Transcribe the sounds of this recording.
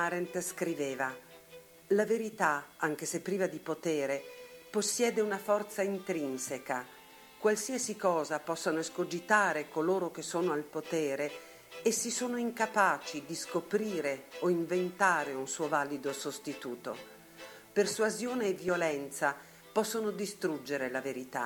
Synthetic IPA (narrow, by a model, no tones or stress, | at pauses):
aɾent̪skɾiveːva | laveɾit̪aaŋk̟esepːɾiːvad̪ipot̪ɛːɾeposːjɛːd̪eunafɔrt̪saint̪ɾinseka | kwalsiːasikɔːzapɔsːanoskod͡ʒit̪aːɾekoloːɾok̟esːoːnoalpot̪ɛːɾe | esːisoːnoiŋkapaːt͡ʃid̪iskopɾiːɾeoiɱvent̪aːɾeunsuːovalid̪osost̪it̪uːt̪o̰ | persuazjoːneːvːjolɛnt̪sa | pɔsːonod̪ist̪ɾud͡ʒːeɾelaveɾit̪a̰